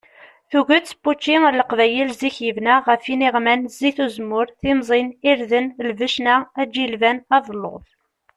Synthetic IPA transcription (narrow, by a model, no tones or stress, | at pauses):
θuɣət͡sːpːut͡ʃːinləqvæjəlziçjəvnæʁəfiniʁmænziθuzmʊɾθimzˤiniɾðənlvəʃnææd͡ʒilvænɑðˤəlːo̰ðˤ